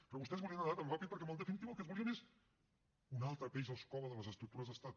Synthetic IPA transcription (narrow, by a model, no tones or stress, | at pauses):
pɾɔβust̪ɛzβuliənəðaɾəlˠβapet̪̚pəɾkɛmɔlˠd̪əfinit̪iβuəlˠkɛnzβuliənes | unalˠt̪ɾəpɛjzəlˠskɔβəðələzəst̪ɾuk̚t̪uɾəzðəst̪at̪̚